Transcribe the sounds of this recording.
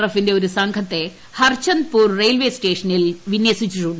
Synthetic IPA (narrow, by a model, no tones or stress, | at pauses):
rɐfinde̞oɾusɐŋɡʰʱɐt̪ːe̞ | hɐrt͡ɕɐnd̪̚puːrrejlʋeːsʈe̞ːʂɐnilʋinjɐsit͡ɕːiʈːuɳɖ